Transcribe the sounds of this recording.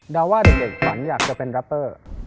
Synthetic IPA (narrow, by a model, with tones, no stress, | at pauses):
daː˧waː˥˩de˨˩k̚e˨˩k̚sa˩˦njaː˨˩k̚t͡ɕa˧˩pe˧nɾa˦˥pːɤː˥˩